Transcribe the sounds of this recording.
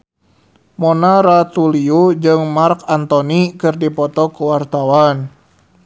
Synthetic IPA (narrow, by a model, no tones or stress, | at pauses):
mɔnaɾat̪uliud͡ʒɨŋmarkant̪onikɨrdipɔt̪ɔkəwart̪awan